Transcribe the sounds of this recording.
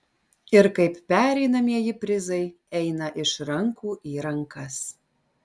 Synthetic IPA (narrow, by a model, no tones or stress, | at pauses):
ɪɾkɐɪppʲæɾʲɛɪnɐmʲiɛjɪpʲɾʲɪzɐɪ | ɛɪnɐʔɪʃɾɐŋkuːʔiːɾɐŋkɐs